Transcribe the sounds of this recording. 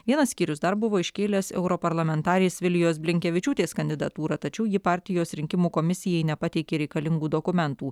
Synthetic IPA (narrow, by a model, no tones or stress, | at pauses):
ʋʲiɛnɐssʲkʲiːɾʲʊsd̪ɐɾbʊʋoːɪʃʲkʲeːlʲɛsɛ̰ʊɾopɐɾlˠɐmʲɛnt̪ɑːɾʲeːsʋʲɪlʲɪjoːs̬bʲlʲɪŋʲkʲɛʋʲɪt͡ʃʲuːt̪ʲeːskɐnd̪ʲɪd̪ɐt̪uːɾɑt̪ɐt͡ʃʲɛʊjɪpɑːɾʲt̪ʲɪjoːsɾʲɪŋʲkʲɪmuːkoːmʲɪsʲɪjɛɪnʲɛpɐt̪ʲɛɪkʲeːɾʲɛɪkɐlʲɪŋɡuːd̪oːkʊmʲɛnt̪uː